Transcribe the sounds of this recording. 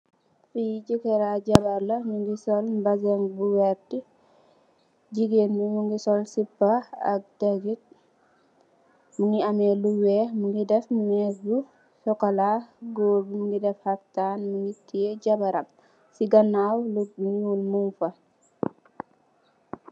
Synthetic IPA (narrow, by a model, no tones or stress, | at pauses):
fijiɟukɛɾaɟɐbɐɾlɐɲuŋɡisɔlbɐzɛŋbuwɛɾti | ɟiɡeːnmimuŋɡisɔlsipːaɐ̰k̚daɡit̚ | muŋɡiamɛluwɛmuŋɡidɛfmuŋɛbu | sɔkɐlaɡoːbimuŋɡidɛfhɐk̚taːnmuŋɡitijeɟɐbɐɾɐm | siɡɐnːawluuŋiulmumfɐ